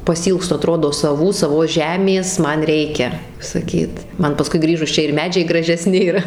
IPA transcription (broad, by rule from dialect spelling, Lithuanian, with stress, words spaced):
pɐsʲɪˈiːlˠkstʊ ɐˈtroːdoː sɐˈʋuː sɐˈʋoːs ˈʒʲæːmʲeːs ˈmɐn ˈrʲɛɪkʲɛ sɐˈkʲiːt ˈmɐn pɐˈskʊɪ ˈɡrʲiːʒʊs ˈt͡ʃʲɛ ɪr ˈmʲæːd͡ʒʲɛɪ ɡrɐʒʲɛˈsʲnʲɪ ɪr